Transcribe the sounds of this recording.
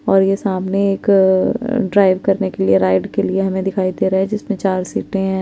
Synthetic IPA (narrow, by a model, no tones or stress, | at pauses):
ɔːɾjesaːmneːk | ɖɾaːɪʋkɐɾnekelieɾaːɪɖkelieɦɐmẽd̪ɪkʰaːid̪eːɾɐɦɛ̃d͡ʒɪsmẽt͡ʃaːɾsiːʈẽɦɛ̃ː